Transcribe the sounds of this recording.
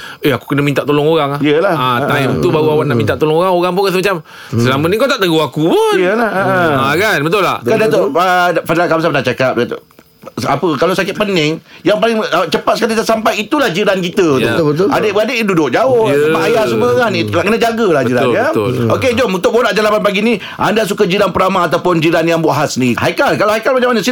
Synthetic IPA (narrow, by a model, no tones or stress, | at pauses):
eaku̥kənamint̪aʔt̪olɔŋoɾaŋaijəlahat̪ait̪ubaɣuawaʔnaʔmint̪aʔt̪olɔŋoɣaŋoɣaŋp̬ʊnkasəmat͡ʃam | səlamənikat̪aʔt̪əɡuakupʊijəlahakanbət̪ʊla̰hkandat̪oəfadlakamsapnaʔt͡ʃakap̚at̪ | apəkalawsakɪt̪ʔ̪̚pənɪŋjaŋpalɪŋət͡ʃəpat̪̚səkalit̪asampajit̪ulahd͡ʒiɾankit̪ət̪uəa̰dəʔadəʔdudʊk̚d͡ʒaʊhaajasəməŋaniaʔkənad͡ʒaɡəlahbəd͡ʒiɾanəoked͡ʒomunt̪ʊk̚boɾaʔd͡ʒalapanpaɡini | ʔandasukad͡ʒiɾanpəɾamaːt̪awpʊnd͡ʒiɾanjaŋboɦasnihakalkalahajkalmat͡ʃãmanəsi